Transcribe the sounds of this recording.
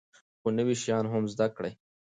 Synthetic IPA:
xonəwiʃjɑnɦʊmzd̪akɽaj

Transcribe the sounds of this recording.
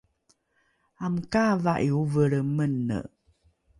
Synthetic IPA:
amkavaʔiuvəɾəmənːə̰ʔ

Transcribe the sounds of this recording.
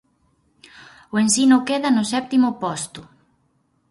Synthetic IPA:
ʊensinʊkeðɐnʊsɛp̚t̪imʊpɔst̪ʊ

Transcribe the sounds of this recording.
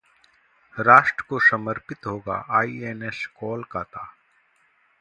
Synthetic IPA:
ɾaːʃʈɾəkosɐməɾpɪt̪ɦoːɡa̰ʔaːieːneskɔːlkaːt̪aː

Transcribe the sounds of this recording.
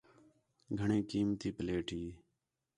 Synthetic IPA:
ɡʱəɳẽːkiːmt̪iːpəleːʈʰiː

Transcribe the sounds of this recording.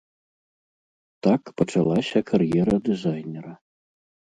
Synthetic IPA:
t̪akpɐt͡ʂalˠasʲɐkʰaɾjɛɾɐd̪ɨzajnʲɛɾɐ

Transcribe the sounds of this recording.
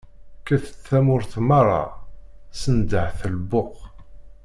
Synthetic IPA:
kæθə̥t͡sːæmʊɾθmɑɾˤɑ̰ | sənd̪əʕθəlbʊq

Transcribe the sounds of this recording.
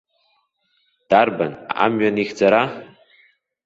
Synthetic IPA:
d̥arbana̰mɥaniχʲd͡zaɾa

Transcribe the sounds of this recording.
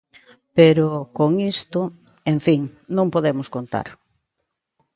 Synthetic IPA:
peɾʊkoŋist̪ʊ | eɱfiŋnõŋpoðemʊskont̪a̰ɾ

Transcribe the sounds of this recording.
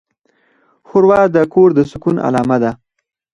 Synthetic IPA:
xʊɾwɑd̪əkoɾd̪əsʊkuna̰lɑːmad̪a

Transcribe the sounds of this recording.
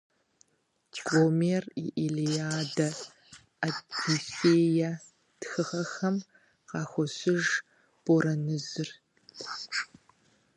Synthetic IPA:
ɡʷʼoːmeːrḭʔilijaːdɐ | ɐtʰiseːja | txɨʁɐxɐm | qɑːxʷɔɕɪʒ | b̥oɾɐnɨzɨr

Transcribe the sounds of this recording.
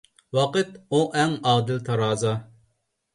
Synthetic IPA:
wɑqɨt̪uʔɛŋɑːd̪ɪlt̪ʰɑɾɑːzɑ

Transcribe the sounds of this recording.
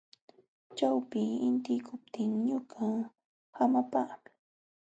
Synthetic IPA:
t͡ʃawpɪɪnt̪ɪkʊp̚t̪ʰɪŋɲʊɢa | hamapa

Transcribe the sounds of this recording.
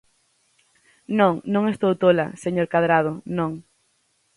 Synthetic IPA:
nõŋnõŋest̪owt̪ola̰seɲoɾkaðɾað̞ʊnõŋ

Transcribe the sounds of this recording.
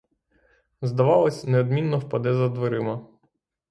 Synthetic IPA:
zd̪ɐʋɑlˠɔsʲneɔd̪mʲinːɔwpɐd̪ɪzɐd̪ʋeɾɪmɐ

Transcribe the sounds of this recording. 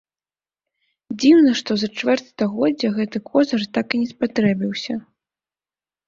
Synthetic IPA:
d͡zʲiwnɐʂt̪ɔzɐt͡ʂvɛrt̪st̪ɐɣɔdd͡zʲːɐɣɛt̪ɨkʰɔzɐrt̪akinʲɛspat̪ɾɛbʲiwsʲɐ

